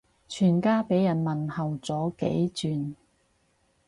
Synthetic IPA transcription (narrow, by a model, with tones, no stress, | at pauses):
t͡ʃʰyː˨˩nkaː˥pe˨˥jːɐ˨˩nmɐ˨nhɐ˨˩wt͡sɔː˨˥kḛ˨˥jt͡syː˨n